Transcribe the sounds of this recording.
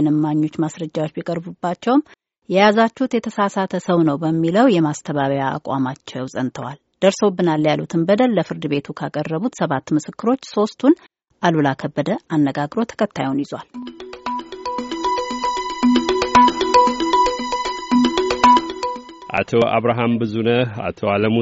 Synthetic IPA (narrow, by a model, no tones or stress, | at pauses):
nɨmːaɲːo̞t͡ʃːmasɾəd͡ʒːawo̞t͡ʃːbikʼəɾbubːat͡ʃːɛwm | jɛjazat͡ʃːuhut̪jɛt̪ʰəsasat̪ʰəsəwnəwbəmːiləwjɛmast̪ʰəβaβjaa̰kʼa̰mat͡ʃːɛwsʼənt̪ʰəwal | d̪̥əɾso̞bːɨnaljalṵt̪ʰɨnbəd̪əlːəfɨɾd̪ɨβe̞t̪ʰukʰakʼərːəβut̪səβat̪ːmɨsɨkːɨɾo̞t͡ʃːso̞st̪ʰun | ʔalulakʰəbːəd̪əʔanːəɡaɡɾo̞t̪ʰə̥kʰət̪ʰːajunjɪza̰l | ʔa̰t̪ʰoʔa̰βɾaɦambɨzunəa̰t̪ʰoaləmu